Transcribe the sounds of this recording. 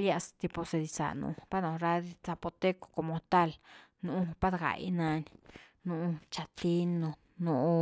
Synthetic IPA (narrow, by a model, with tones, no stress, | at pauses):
lja˧st̪i˧po˧se˧d̪i˧sa̰˨nṵ̃˧pa˦nõ˨ɾa˧d̪i˧t͡sa˧po˧t̪e˦ko̥˧ko˧mo˧t̪a˦˨lnũ˧˦pa˦d̪ɡa̰˨jnã˧n | nũ˧t͡ʃa˧t̪i˦nõ˧ | nõ˧ʔ